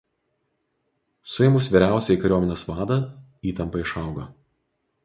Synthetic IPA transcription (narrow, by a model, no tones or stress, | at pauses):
sʊjɛmʊsʋʲiːɾʲæˑʊsʲɛikɐɾʲoːmʲɪnʲesʋɑːd̪ɐ | iːt̪ɐmpɐɪʃɐɑˑʊɡɐ